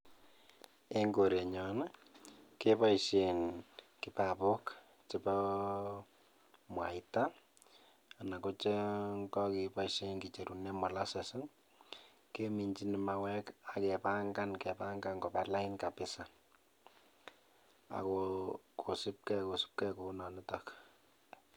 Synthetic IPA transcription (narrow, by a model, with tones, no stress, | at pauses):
e˦ŋɡo˨ɾe˨ɲɔ˨na˦ | ke˦pa˦ʃe˨n | kɪ˨pa˨po˦k | t͡ʃɪ˨pɔ˦ | mwa̰˨ita˦ | a˨na˨ko˦t͡ʃe˦ŋkɔ˦ki˨pa˦iʃe˦nki˨t͡ʃe˨ɾu˨ne˦mɔ˨la˦se˨sɪ˦ŋ | ke˦mi˨ɲt͡ʃi˦nɪma˨wɛ˦ka˨kɛ˨pa˦ŋɡa˦nkɛ˨pa˦ŋɡa˦ŋkɔ˨pa˨la˦ɪnka˨pɪsa˨ | a̰˨kokʰo˨sɪ˦p̚kɛ˦ko˨sɪ̥˦p̚kɛ˦ko˨nɔ˨nɪ˦tɔk